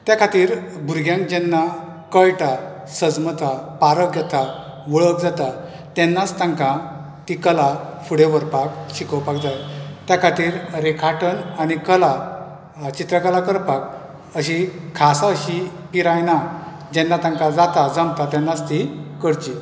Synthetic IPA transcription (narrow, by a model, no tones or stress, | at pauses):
t̪jakʰat̪iːɾbʱuɾɡjãŋkd͡ʑɛnːa | kəjʈa | səd͡zmət̪ʰapaɾəkɡjɛt̪ʰa | ʋəɭəkd͡zat̪a | t̪ɛnːat͡st̪ãŋkã | t̪ikəlafuɽeʋəɾpakɕikəʋpaɡd͡z̪at̪t̪jakʰat̪iːɾɾekʰaʈʰənañikəla | t͡ɕit̪ɾəkəlakəɾpak | əɕikʰasaəɕipiɾajna | d͡ʑɛnːat̪ãŋkad͡zat̪ad͡zəmt̪at̪ɛnːast̪ikəɽt͡ɕi